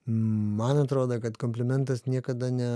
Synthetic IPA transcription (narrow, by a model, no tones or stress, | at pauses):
mɐnɐt̪ɾoːd̪ɐkɐt̪komʲpʲlʲɪmʲɛnt̪ɐsnʲiɛkɐd̪ɐnʲɛ